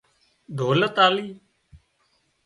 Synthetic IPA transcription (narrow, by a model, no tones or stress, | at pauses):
d̪ʱoːlət̪aːliː